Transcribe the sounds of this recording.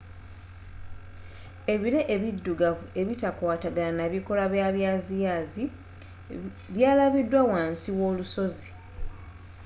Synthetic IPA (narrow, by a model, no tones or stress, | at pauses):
e̞βiɾe̞ʔeβidːuɡaue̞βitakwaːtaɡalanaβiko̞laβjaːβjaːzijaːzi | βjaːlaβidːwawaːnsiwo̞ːluso̞zi